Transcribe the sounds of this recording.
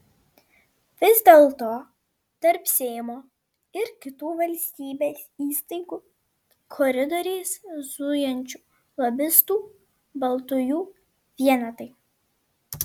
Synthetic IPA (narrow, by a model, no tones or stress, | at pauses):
ʋʲɪzʲd̪ʲeːlˠt̪oː | t̪ɐɾpsʲɛɪmoː | ɪɾkʲɪt̪uːʋɐlʲsʲt̪ʲiːbʲeːsiːst̪ɐɪɡuː | kʰɔɾʲɪd̪ɔɾʲeːszʊjɛnʲt͡ʃʲuː | lˠɐbʲɪst̪uː | bɐlˠt̪ʊjuː | ʋʲiɛnɐt̪ɐɪ